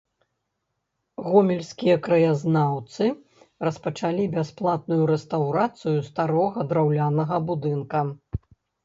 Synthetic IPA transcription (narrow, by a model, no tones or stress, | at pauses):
ɣɔmʲɛlʲsʲkʲijɐkɾɐjaznawt̪sɨ | rɐspɐt͡ʂalʲibʲasplˠat̪̚nujuɾɛst̪awɾat̪sɨjust̪aɾɔɣɐd̪ɾawlʲanɐɣɐbud̪ɨnkɐ